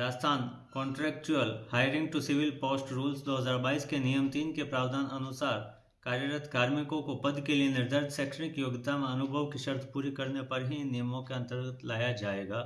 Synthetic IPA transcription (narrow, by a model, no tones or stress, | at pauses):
ɾaːd͡ʒt̪ʰaːn | kɔ̃ːɳʈɾɛːk̚t͡ʃuəlhaːɪɾɪ̃ŋɡ̚ʈusɪʋɪlpoːsʈɾuːlsd̪oːɦɐzaːɾbaːiːskenijəmt̪iːnkepɾaːʋd̪ʱaːnɐnʊsaːɾ | kaːɾjəɾət̪ʰkaːɾmɪkõkopɐd̪kelienɪɾd̪əɾd̪sɛːkʃənɪkjoːɡt̪amẽɐnʊbʱəʋkiʃɐɾt̪ʰpuːɾikɐɾnepɐɾɦinijəmõkeɐ̃nt̪əɾɡət̪laːjad͡ʒaːeːɡaː